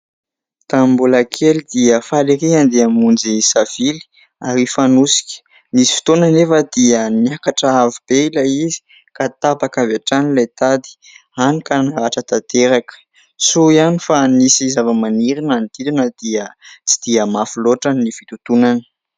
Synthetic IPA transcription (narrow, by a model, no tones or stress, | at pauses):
t̪ammbulakʰelid̪iəfaliɾiɦand̪eamund͡zisav̥ili̥ | aɾifanusi̥kʲə̥ | nisi̥fi̥t̪onanefəd̪iənakaʈ͡ʂəavib̥eilaizi̥ | kat̪abakavaʈ͡ʂanilajt̪ad̪i̥ | anikanaɾaʈ͡ʂət̪at̪eɾakə̥ | suianifanisizavəmaniɾinanit̪id̪inəd̪̥iət͡si̥d̪̥iəmafiloʈ͡ʂanifit̪ut̪unanə̥